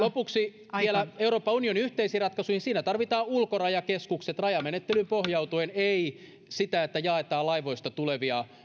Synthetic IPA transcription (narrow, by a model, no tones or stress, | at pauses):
lopuksi | ʋielæeuro̞ːpːˑɑunioniyht̪eisiːrɑt̪kɑsuihinsiːnæt̪ɑrʋit̪ɑːulkorɑjɑkeskukset̪rɑjɑmenet̪ːelympohjɑwt̪uenei | sit̪æet̪ːæjɑet̪ɑːlɑiʋoist̪ɑt̪uleʋiɑ